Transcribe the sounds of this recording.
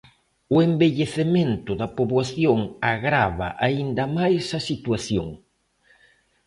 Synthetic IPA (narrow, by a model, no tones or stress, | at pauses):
ʊembeʎeθemẽnt̪ʊðɐpoβwaθjoŋaɣɾaβɐ̰ʔaind̪ɐmajsɐsit̪waθjo̰ŋ